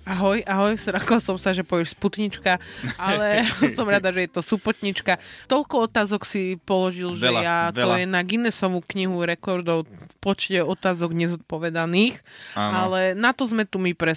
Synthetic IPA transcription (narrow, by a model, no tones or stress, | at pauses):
aɦɔjʔaɦɔjsɾaklasɔmsaʒɛpɔʋɛʃsput̪ɲit͡ʃkaalɛsɔmɾad̪aʒɛjɛt̪ɔsupɔt̪ɲit͡ʃkat̪ɔʎkɔɔt̪aːzɔksipɔlɔʒilʒɛljat̪ɔjɛnaɡinɛsɔʋukɲiɦuɾɛkɔɾd̪ɔʊpɔt͡ʃcɛɔt̪aːzɔɡɲɛzɔt̪̚pɔʋɛd̪aniːxanalɛnat̪ɔzmɛt̪umipɾɛ